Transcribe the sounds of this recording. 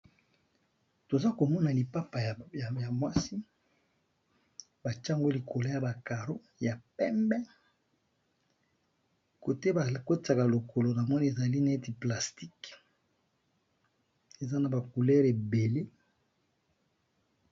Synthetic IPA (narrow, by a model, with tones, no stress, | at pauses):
to˨za˦ko˨mɔ˦na˨li˨pa˦pa˨jja˨mwa˦si˦ | ba˨t͡ʃːŋɡo˦li˨kʰo˨lo˨˦ja˨ba˨ka˨ɾo˦ | ja˨pɛ˦mbɛ˦ | ko˨te˦ba˨ko˦ta˨ka˨lo˨kʰo˨lo˨na˨mɔ˦ni˦e˨za˨li˦na˨e˦ti˨pla˨sti˦k | e˨za˦na˨ba˨ku˨lɛ˦ʁe˨be˨le˦